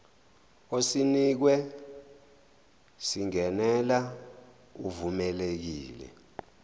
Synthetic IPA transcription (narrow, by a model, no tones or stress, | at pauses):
osinik̬wɛ | siŋɛnɛla | uvumɛlek̬iːlɛ̰